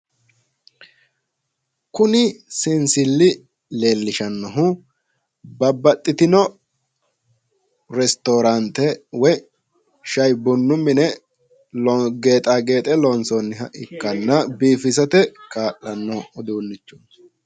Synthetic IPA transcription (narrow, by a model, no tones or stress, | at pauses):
kʊnɪsɪnsɪlːɪ | le̞ːlːɪʃɐnːɔɦʊ | bɐbːɐt̪ʼːɪt̪ɪnɔ | ɾɛst̪oːɾɐnt̪ɛwɔ | ʃɐjbʊnːʊmːɪnɛ | lɔɡe̞ːt̪ʼaːɡe̞ːt̪ʼɛlɔnsɔnːɪɦɐʔɪkːɐnːɐbiːfɪs̬ɐt̪ɛkaːʔɐnːɔɔd̪uːnːɪt͡ʃːun